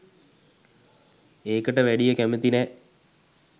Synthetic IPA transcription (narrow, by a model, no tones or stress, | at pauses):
eːkəʈəʋæɖijəkæmet̪inɛː